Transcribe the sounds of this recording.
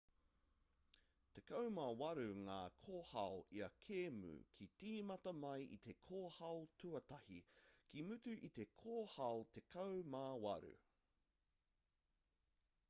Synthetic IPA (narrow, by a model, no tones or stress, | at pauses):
t̪e̞kɐwmawɐɾʉŋaːkʰoːhɐoʔiɐkʰeːmʉ̰kʰitiːmɐtɐmɐjḭt̪ʰe̞kʰoːhɐwotʰʉɐtɐhikimʉtʉʔit̪e̞kʰoːhɐwt̪e̞kʰɐwmawɐɾʉ̰